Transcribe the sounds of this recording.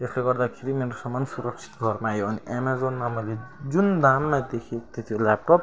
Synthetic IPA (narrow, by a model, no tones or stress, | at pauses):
esleɡʌrd̪akʰeɾimeɾosʌmːʌnsuɾʌk̚t͡sʰi̥t̪ɡʱʌrmajoʌniʔemazonmamʌled͡zund̪anmad̪ekʰekt̪et̪ʰijolap̚ʈop̚